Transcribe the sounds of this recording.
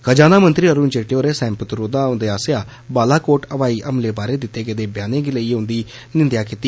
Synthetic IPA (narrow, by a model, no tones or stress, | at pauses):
kəd͡ʒaːnaːmənt̪ɾiːəɾuːnd͡ʒeːʈejoːɾeːsɛ̃ːmpət̪ɾoːd̪aːʊnd̪eːaːsɪjaː | baːlaːkoːʈəʋaːiːʔəmleːbaːɾeːd̪ɪt̪ːeːɡəed̪eːbjaːneːɡɪləiːʊ̃nd̪iː | nɪnd̪jaːkɪt̪iː